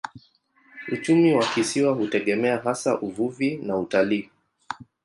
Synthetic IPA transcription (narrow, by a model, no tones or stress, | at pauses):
ut͡ʃumiwakisiwahutɛɠɛmɛaɦasaʔuvuvinautaliː